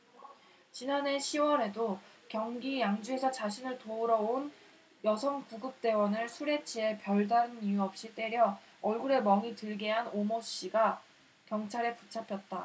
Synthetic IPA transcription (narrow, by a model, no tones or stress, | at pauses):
t͡ɕinane̞ɕʰiwʌɾe̞do | kjʌŋɡijaŋd͡ʑuɦe̞sʰʌt͡ɕaɕʰinɯɭtouɾʌon | jʌsʰʌŋkuɡɯp̚t͈e̞wʌnɯɭsʰuɾe̞t͡ɕʰie̞pjʌɭdaɾɯnijuʌp̚ɕ͈it͈e̞ɾjʌː | ɭɡuɾe̞mʌŋitɯɭɡeɦanomoɕ͈iɡa | kjʌŋt͡ɕʰaɾe̞put͡ɕʰapʰjʌt̚t͈a